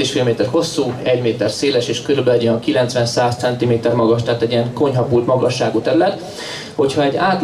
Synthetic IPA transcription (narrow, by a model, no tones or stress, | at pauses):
eːʃfiːlmeːt̪ɛrho̞sːuːɛɟmeːt̪ɛrseːlɛʃeːʃkøɾybɛlɛɟiɒkilɛnt̪sʋɛnsaːst̪sɛnt̪imeːt̪ɛrmɒɡɒʃt̪ɛːt̪ɛɟːijɛŋko̞ɲɦɒpuːlt̪mɒɡɒʃːaːɡut̪ɛɾylɛt̪ | ho̞cʰhɒɛɟːaːt̪